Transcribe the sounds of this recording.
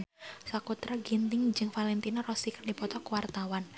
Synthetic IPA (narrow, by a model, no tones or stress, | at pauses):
sakut̪ɾaɡint̪ɪŋd͡ʒɨŋfalɛnt̪inɔrɔsikərdipɔt̪ɔkuwart̪awan